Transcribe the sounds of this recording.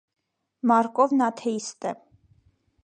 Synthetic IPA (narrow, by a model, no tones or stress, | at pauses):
mɑɾkʼɔvnɑt̪ʰɛist̪ɛ